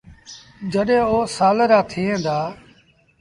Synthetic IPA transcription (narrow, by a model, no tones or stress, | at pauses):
d͡ʒəɗẽːoːsaːləɾaːt̪ʰiːẽːd̪aː